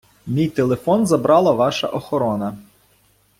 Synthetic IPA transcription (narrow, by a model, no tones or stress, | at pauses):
mʲijt̪elˠefɔnzɐbɾɑlˠɐʋɑʃɐ̰ʔɔxɔɾɔnɐ